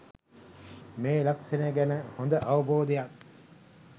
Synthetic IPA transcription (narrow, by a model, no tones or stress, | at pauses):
meːlɐkseneɡænəhond̪əʔɐʋuboːd̪ejɐk